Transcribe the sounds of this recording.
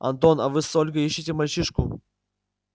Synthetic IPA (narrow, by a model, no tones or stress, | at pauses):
ɐ̰nt̪onɐ̰vɨsolʲɡəiɕːitʲɪmɐlʲt͡ɕiʂkʊ